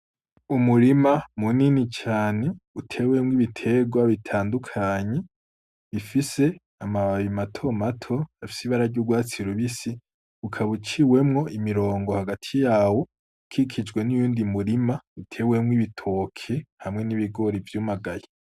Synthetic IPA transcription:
umuɾimamuninit͡ʃaːne̞utʰe̞wemwiβitʰe̞ɡwaβitʰaːndukʰaɲe̞ | βifise̞ | amaβaβimatʰo̞matʰo̞afi̥siβaɾaɟuɡwaːt͡siɾuβisi | ukʰaβut͡ʃiwe̞mŋo̞ʔimiɾo̞ːŋɡohaɡatʰijaːwo̞ | kʰikʰid͡ʒɡwe̞nujuːndimuɾimaitʰe̞ːwe̞mŋwiβitʰo̞ːkʰehamŋe̞niβiɡo̞ɾivjuːmaɡaje

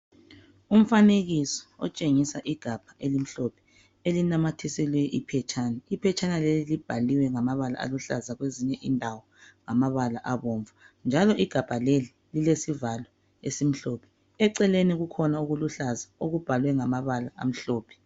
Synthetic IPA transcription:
um̩faneɣisɔ̥ɔ̰t͡ʃʼeŋisaʔiɡ̥ʱab̥ʱaʔelim̩ɬɔpʰɛ̥ | elinamatʰisilwɛʔḭpʰɛt͡ʃʰʼaːnaipʰɛt͡ʃʰʼanalelilib̥ʱaliwɛŋamaβala̰a̰luɬa̰zaɣweziɲɛʔindʱawɔŋamaβalaʔaβɔːɱva | nd͡ʒʱalɔʔiɡ̥ʱab̥ʱaleli | lilesivalwɛ | esim̩ɬɔpʰɛ̥ | ɛǀɛleniɣukʰɔnauɣuluɬazaoɣub̥ʱalwɛŋamaβalaa̰m̩ɬoːpʰɛ̥

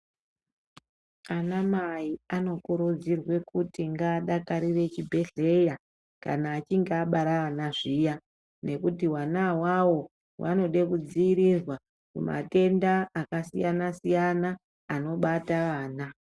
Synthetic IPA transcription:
anamaiano̞kuɾud͡zirwe̞kutiŋɡaːɗakaɾire̞t͡ʃibʱe̞ɮe̞ja | ka̰naːt͡ʃiŋɡːɓaɾaanaʐija | ne̞kutiwanawawo̞ | wʔa̰no̞ɗe̞kud͡ziiɾizwa | kṵma̰te̞ndaːkasḭjanasijanaː | no̞ɓataʋaːna

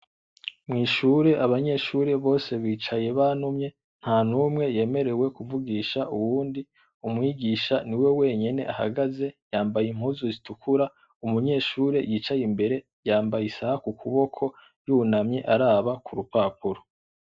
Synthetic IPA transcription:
mŋiːʃuɾe̞ʔaβaɲe̞ʃuɾe̞βo̞ːse̞βiːt͡ʃaje̞βanumɲe̞ | n̥haːnumŋe̞je̞ːme̞ɾe̞we̞kuvuɡiːʃaʔuwuːndi | umŋiːɡiːʃaniwe̞we̞ːɲe̞ne̞̰ʔaha̰ɡaze̞jaːmbajim̥huzuzitukʰuɾa | umuɲe̞ːʃuːɾe̞jit͡ʃajimbe̞ɾe̞ | jaːmbajisahakukʰuβo̞kʰo̞ | junamɲe̞ʔaɾaːβakuɾupaːpuɾo̥

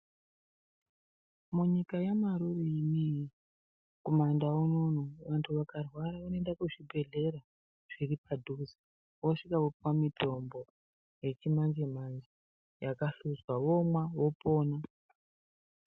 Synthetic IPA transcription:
muɲikajamaɾuriːnij | komandaunonoʋantʰuʋakarwaɾaanoendakuʐibʱe̞ɮe̞ɾa | ʐ̥iripadʱuzi | woʂikaopamito̞mbo̞ | je̞t͡ʃimand͡ʒemand͡ʒe | jakaɬuzwaʋomwaʋopo̞ːna

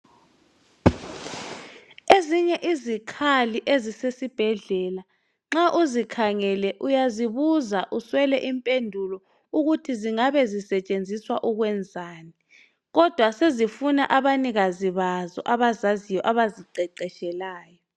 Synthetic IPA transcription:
eziɲɛʔizikʰaliʔezisesib̥ʱɛɮɛːla | ŋ͡ǁaʔuzikʰaŋɛlɛʔujaziβuzaʔuswɛlɛʔimpʼendʱulɔ | uɣutʰiziŋaβɛzisɛt͡ʃʼend͡zʱiswaʔuɣwɛnd͡zʱaːni | ɣɔd̥ʱwasezifuna̰ʔaβaniɣaziβazɔ̰ʔaβazazijɔʔaβaziǀɛǀɛʃɛlaːjɔ

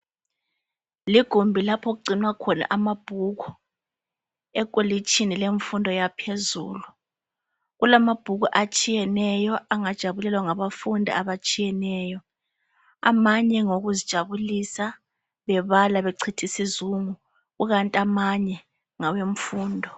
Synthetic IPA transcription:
liɡ̥ʱumbʱilapʰɔɣ̬uɡ͡ǀʱinwakʰɔna̰ʔamab̥ʱuɣɔ | ɛkʼolit͡ʃʰʼinileɱfundʱɔjapʰezṵːlu | ɣulamab̥ʱuɣuʔat͡ʃʼijɛnɛjɔʔaŋad̥ʒ̥ʱaβulɛlwaŋaβafundʱḭaβat͡ʃʼijɛnɛːjɔ | a̰maɲɛŋoɣuzid̥ʒ̥ʱaβulisa | βɛβalaβeǀʰitʰisizuŋu | ɣuɣantʼiamaɲɛ | ŋaweɱ̩fuːndʱɔ

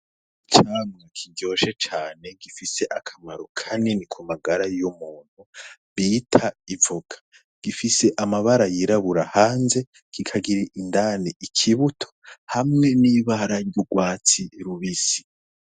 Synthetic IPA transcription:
it͡ʃaːmŋekʰiɡɟo̞ʃe̞t͡ʃaːne̞ɡifise̞ʔakʰamaɾukʰaninikʰumaɡaɾajomuːn̥huβiːtʰaivuɡ̥ḁ | ɡ̥ifise̞ʔamaβaɾajiɾaβuɾahaːnze̞ | ɡ̥ikʰaɡiɾiʔindaːniikʰiβutʰo̥hamŋe̞niːβaɾaɾjuɡwaːt͡siɾuβisi̥

